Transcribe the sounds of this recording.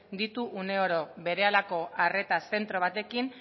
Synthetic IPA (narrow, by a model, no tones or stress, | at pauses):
d̪it̪uʔune̞oɾo̞βe̞ɾe̞alako̞ʔare̞t̪ase̞nt̪ɾo̞β̞at̪e̞kin